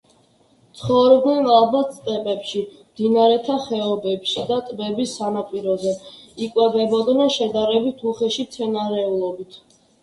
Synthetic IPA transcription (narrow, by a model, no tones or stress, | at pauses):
t̪sʰχɔvɾɛbd̪nɛlalˠbat̪st̪ʼɛpʼɛpʃimd̪̥inaɾɛt̪ʰaχɛɔbɛpʃid̪at̪ʼbɛbisːanapʼiɾɔzɛikʼwɛvɛbɔd̪nɛnʃɛd̪aɾɛbit̪ʰuχɛʃimt̪sʰɛnaɾɛulˠɔbit̪ʰ